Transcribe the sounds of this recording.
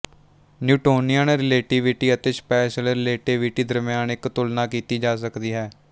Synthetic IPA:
njuːʈoːnɪjəːnɾɪleːʈɪːʋɪʈiːət̪eːspɛːʃəlɾɪleːʈɪːʋiʈiːd̪əɾmɪjaːnɪkt̪ʊlnaːkiːt̪iːd͡ʒaːs̬əkd̪iːɦɛː

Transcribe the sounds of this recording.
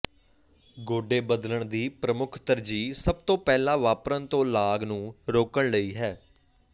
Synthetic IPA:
ɡoːɖeːbəd̪ləɳd̪iːpɾəmʊkʰt̪əɾd͡ʒiːsəb̚t̪õːpɛːlãːʋaːpɾənt̪õːlaːɡnũːɾoːkəɳləiːɦɛː

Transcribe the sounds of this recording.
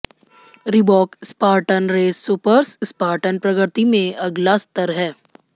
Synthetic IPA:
ɾibɔːkspaːɾʈənɾeːsːupəɾsspaːɾʈənpɾɐɡəɾt̪imẽɐɡlast̪əɾɦɛː

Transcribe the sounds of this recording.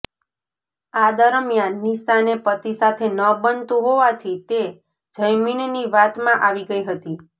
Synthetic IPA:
ad̪əɾmjanːisanepət̪isat̪ʰenəbənt̪ũɦoʋat̪ʰit̪e | d͡ʒəjminniʋat̪mãʔaʋiɡəiɦət̪i

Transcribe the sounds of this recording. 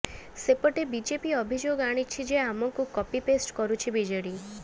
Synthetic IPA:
sepɔʈebid͡ʒepiɔbʱid͡ʒoɡaɽ̃it͡ʃʰid͡ʒeamɔŋkukɔpipesʈkɔɾut͡ʃʰibid͡ʒeɽi

